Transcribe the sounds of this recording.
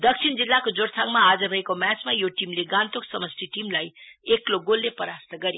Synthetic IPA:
d̪ʌk̚sʰind͡zilːakod͡zoɽsʰaŋmaːd͡zʌrʌɦekomjat͡smajoʈimleɡãnt̪oksʌmʌst̪ʰiʈimlajekloɡolːepʌɾast̪ʌɡʌɾj

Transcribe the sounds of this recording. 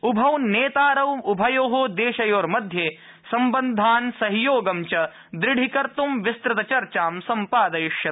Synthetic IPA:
ubʱɐwneːt̪aːɾɐwubʱɐjoːɦoːd̪eːʃɐjoːɾmɐd̪ʱje | sɐmbɐnd̪ʱaːnsɐɦijoːɡɐmt͡ʃɐ | d̪ɾɪɽʱikɐɾt̪umʋist̪ɾɪt̪ɐt͡ʃɐɾt͡ʃaːmsɐmpaːd̪ɐjʊʃjɐ

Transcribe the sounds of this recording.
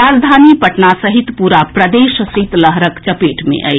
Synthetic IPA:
aːd͡ʒd̪ʱaːnipəʈnasəɦit̪puɾapɾəd̪eʃsit̪ləɦɾəkt͡ʃəpeːʈmḛ̃ʔə̰

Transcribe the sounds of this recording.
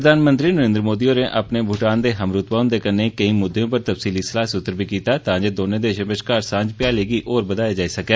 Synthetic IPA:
əd̪aːnmənt̪ɾiːnəɾẽnd̪ɾmoːd̪iːoːneːʔapneːbʱʊʈaːnd̪eːɦəmɾʊt̪baːɦʊ̃nd̪eːkəneːkəĩːmʊd̪ʱːejõːpəɾt̪əfsiːliːsəlaːsʊt̪ːəɾbiːkiːt̪aːt̪ãːd͡ʒeːd̪oːnẽːd̪eːʃə̃bəʃkaːɾsãːd͡ʒpjaːleːɡiːʔoːɾbəd̪aːjaːd͡ʒaːiːsəkɛː

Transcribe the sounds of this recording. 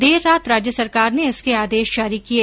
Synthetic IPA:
d̪eːɾːaːt̪ɾaːd͡ʒjəsɐɾkaːɾneɪskeaːd̪eːʃd͡ʒaːɾikie

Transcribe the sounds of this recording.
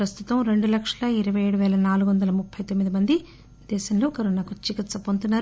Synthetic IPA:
pɾɐst̪ut̪ɐmɾe̞ɳɖulɐkʂɐlɐiɾɐʋɐjeːɽuʋɛːlɐnaːluɡuʋɐnd̪ɐlɐmupʰːɐjt̪omːid̪imɐnd̪i | d̪ɛːʃɐmloːkɐɾonaːkut͡ʃikit̪sɐpont̪unːaːɾu

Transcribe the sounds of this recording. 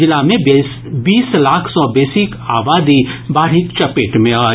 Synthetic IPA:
ɪlamẽ | biːslaːkʰsɔbeːsɪka̰ːbaːd̪ibaːɾɦɪkt͡ʃɐpeːʈmẽaː

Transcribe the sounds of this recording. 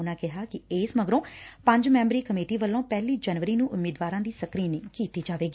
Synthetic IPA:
nãːkɪɦaːkɪeːsməɡɾõːpə̃ɲd͡ʒmɛ̃ːmbɾiːkəmeːʈiːʋəlːõːpɛːliːd͡ʒɛnʋəɾiːnũːʔʊmːeːd̪ʋaːɾãːd̪iːsəkɾiːneːkiːt̪iːd͡ʒaːʋeːɡiː

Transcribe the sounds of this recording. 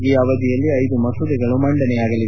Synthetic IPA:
iːɐʋɐd̪ijɐlːiɐjd̪umɐsud̪iɡɐɭumɐɳɖɐnɛjaːɡɐlːie

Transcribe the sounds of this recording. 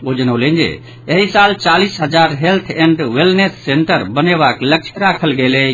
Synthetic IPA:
oːd͡ʒənolẽːnd͡ʒḛ | eɦisaːlt͡ʃaːliːsɦɐd͡ʒaːɾɦelt̪ʰẽɳɖʋɪlnesːẽːɳʈəɾbəneːʋaːkləkt͡ʃʰɾaːkʰəlɡeːle

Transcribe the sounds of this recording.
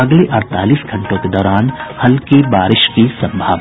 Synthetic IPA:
ɐɡleʔɐɾt̪a̰ːliːsɡʱɐ̃ɳʈõked̪ɔːɾaːnhɐlkebaːɾɪʃkisɐ̃mbʱaːʋ

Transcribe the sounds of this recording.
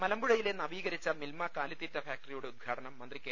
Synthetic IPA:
mɐlɐmbuɻɐjile̞nɐʋiːɣɐɾit͡ɕːɐmilmɐkaːlit̪ːiːtːɐfaːk̚ʈɐrijuɽe̞ud̪̚ɡʱaːʈɐnɐmːɐnd̪rikːeː

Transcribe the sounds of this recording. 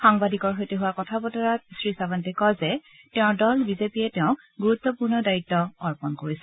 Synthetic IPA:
xaŋbadikɔɹɦojteɦʊwakɔtʰabɔtɔɹasɹisabantɛkɔzɛ | tɛʊ̃dɔlbizepijɛtɛʊ̃ | ɡuɹutːɔpuɹnɔdaitːɔɔɹpɔnkoɹisɛ

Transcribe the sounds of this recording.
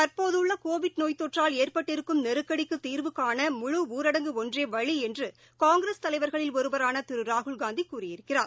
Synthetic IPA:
t̪ɐɾpoːðɯɭːɐkoːʋɪʈnoːjt̪ːɔʈraːleːrpɐʈːɪɾɯkːɯmnɛɾɯkːɐɽɪkːɯt̪ːiːrʋɯkːaːnɐmʊɻʊuːɾɐɽɐŋɡɯɔndreːʋɐɻiɛndrɯ | kaːŋɡɾeːst̪ɐlɐɪʋɐɾɣɐɭɪlɔɾɯbɐɾaːnɐt̪ɪɾɯɾaːɦɯɭɡaːnd̪ikːuːrɪjɪɾɯkːɪra̰ːɾ

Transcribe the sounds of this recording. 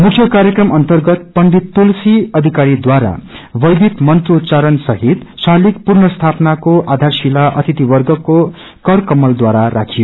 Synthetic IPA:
mukʰjʌkaɾjekrʌmʔʌnt̪ʌrɡʌt̪̚pʌnɖ̪it̪ːulsiʌd̪ʱikaɾid̪waɾa̰bʌjd̪ʱit̪mʌnt̪rot͡saɾʌnsʌɦit̪salikpurnʌst̪ʰapnakoʔad̪ʱarsilaʔʌ̰t̪ʰit̪ibʌrɡʌko | kʌrkʌmʌld̪waɾara̰kʰijo

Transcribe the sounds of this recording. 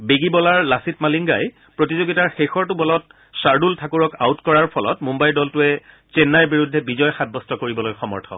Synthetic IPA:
beɡibɔlaɹlasitmaliŋɡa̰j | pɹotizoɡitaɹxexɔɹtʊbɔlɔt̚ | saɹdultʰakuɹɔka̰utkɔɹaɹpʰɔlɔ̰tmumbajldɔltʊɛ | t͡ʃenːaɹbiɹudʱːɛbizɔjxat̚bɔstɔkoɹibɔlojxɔmɔ̰ɹtʰɔ̰

